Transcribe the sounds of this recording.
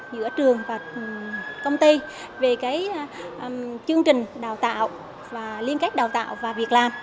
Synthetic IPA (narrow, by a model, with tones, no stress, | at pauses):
zɨ̰˧˥ət͡ɕɨ˨˩əŋvaː˨˩ | kə˧wŋ͡mt̪i˧ | ve˨˩kaː˨˦j | t͡ɕɨ˧əŋt͡ɕï˨˩ŋ̟ɗaː˨˩wt̪a̰ː˧˨w | vaː˨˩li˧ənka˦˥jk̚ɗaː˨˩wt̪a̰ː˧˨wvaː˨˩vi˨˩ək̚laː˨˩m